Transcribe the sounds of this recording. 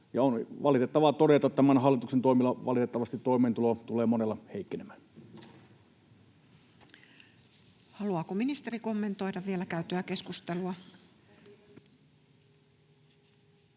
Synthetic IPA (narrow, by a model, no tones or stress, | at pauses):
jɑonʋɑlit̪et̪ːɑʋɑt̪orjet̪ɑt̪ːæmænhɑlːˑit̪uksent̪oˑimilːɑʋɑ̰lit̪et̪ːɑʋɑst̪it̪toˑimˑeːnt̪ulot̪ulˑeːmonelːɑheˑikːenemæːn | hɑluɑːkominist̪e̞riko̞mːent̪o̞jdɑʋʋielækæyt̪øæke̞skust̪eluɑ